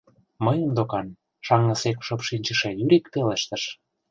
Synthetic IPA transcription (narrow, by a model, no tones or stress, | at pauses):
məjə̆md̪okɑn | ʃɑŋːɤ̆sekʃŏpʃinʲt͡ɕə̆ʃejyɾikpeleʃt̪ə̆ʃ